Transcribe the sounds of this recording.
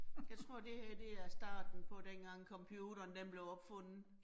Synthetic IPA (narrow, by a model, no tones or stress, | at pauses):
jɑ̈ɪt͡sʰʁo̝ɐ̰d̥e̝hæeɐ̰d̥e̝æɐsd̥ɑ̰̈ːd̥n̩pʰɒ̽d̥enɡ̥ɑ̈ŋ̰kʰɒ̽mpʰjuːɾ̥ɐːnd̥enb̥le̝ʊɒ̽b̥fɔ̽n̰ð̩ˠ